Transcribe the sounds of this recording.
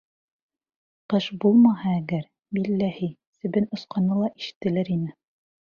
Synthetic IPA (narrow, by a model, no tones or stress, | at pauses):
qɤʃbulˠmɑhɑæɡæɾ | bilːæhi | sɘ̆βɘnŏsqɑnɤlˠɑʔiʃɘ̥̆t̪ːɘ̆læɾinɘ